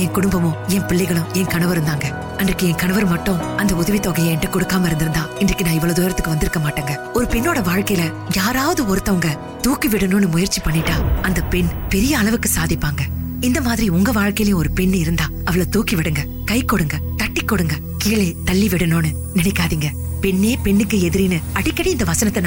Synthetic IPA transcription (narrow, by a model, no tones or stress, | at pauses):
ɛ̃ŋkʊɽɯmbɐmʊ̃ɛnpɪɭːɛɪɣɐɭʊ̃ɛŋkɐɳɐʋɐɾɯnd̪aːŋɡɐ | ɐndrɪkːɯɛŋkɐɳɐʋɐɾmɐʈːʊ̃ɐnd̪ɐʊðɐʋit̪ːoːɣɐjɐɛnːɐkɔɽɯkːaːmɐɪɾɯnd̪ɪɾɯnd̪ãːɪndrɪkːɯnãːɪʋːɔɭoːd̪uːjɪɾɐt̪ːɯkːɯʋɐnd̪ɪɾɯkːɐmaːʈːeːŋɡɐɔɾɯpɛnːoːɽɐʋaːɻkɐjɪlɐ | jaːɾaːʋɐðɯɔɾɯt̪ːɐʋɐŋɡɐ | t̪uːkiʋɪɽɯnoːnɯmʊjɐɾt͡ʃːipɐɳːɪʈːaːɐnd̪ɐpɛɳpɛɾɪjɐːɭɐʋɯkːɯsaːðɪpːaːŋɡɐɪnd̪ɐmaːðɪɾiʊŋɡɐʋaːɻkɐjɪlɐɪjʊ̃ɔɾɯpɛɳːɪɾɯnd̪aːɐʋɐɭɐt̪uːkiʋɪɽɯŋɡɐ | kɐɪkːɔɽɯŋɡɐ | t̪ɐʈːikːɔɽɯŋɡɐ | kiːɭet̪ɐɭːiʋɪɽɯnoːnɯ | nɪnɛkːaːðiːŋɡɐ | pɛɳːeːpɛɳːɯkːɯɛðɪɾinɯɐɽɪkːɐɽiɪnd̪ɐʋɐsɐnɐt̪ːɐn